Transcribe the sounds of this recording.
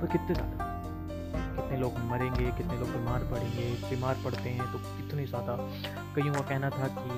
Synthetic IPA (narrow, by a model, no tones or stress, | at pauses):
pekɪt̪nẽza̰ːd̪a | kɪt̪neloːɡmɐɾẽːŋɡekɪt̪neloːɡbimaːɾpɐɽẽːŋɡebiːmaːɾpɐɽt̪eɦɛ̃t̪okɪt̪ʰːunɐɦĩsat̪aː | kɐɦiũkakɛɦnat̪ʰaki